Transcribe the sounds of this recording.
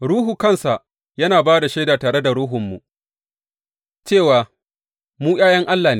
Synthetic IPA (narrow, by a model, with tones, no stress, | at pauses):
ɽuː˦ɦuː˨kɐ˦nsa˨ʔ | jɐ˦naː˨baː˦da˨ʃeː˦daː˨taː˨ɽe˦da˨ɽuː˦ɦʊ˨mːṵ˨ | t͡ʃeː˦˨waː˨ | muː˦j̰aː˦jɐ˦ŋʔa˦lːaː˨ne˦